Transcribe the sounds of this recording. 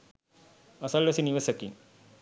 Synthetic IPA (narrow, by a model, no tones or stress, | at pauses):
ɐsɐlʋɐsiniʋɐsɐkːin